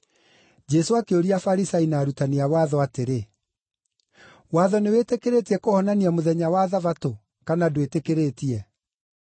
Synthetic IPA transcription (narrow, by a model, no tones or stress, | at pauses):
d͡ʒɛsoakeoɾiafaɾisainaːɾutaniawaðɔateɾe | waðɔnewetekeɾetiɛkohɔnaniamoðɛɲawaðavato | kanadowetekeɾetiɛ